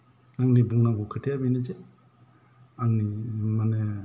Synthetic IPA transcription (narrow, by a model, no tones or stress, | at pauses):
aŋnibuŋnaɡukʰɯtʰijabinize | aŋnimane